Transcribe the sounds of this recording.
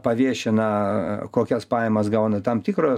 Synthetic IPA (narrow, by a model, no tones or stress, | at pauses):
pɐʋʲiɛʃʲɪnɐkoːkʲɛspɑːjɛmɐsɡɐʊnɐt̪ɐmt̪ʲiːkroː